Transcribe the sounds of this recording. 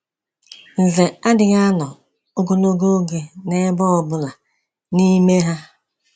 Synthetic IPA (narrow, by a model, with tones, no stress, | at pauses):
n̩˨ze˨a˦dɪ˨ɣa˦nɔ˨ | o˦ɡo˨lo˦ɡo˦ɡe˨ne˦bɔ˦ɔ˨bʊ˦la˨ | ni˦me˦ɦa˦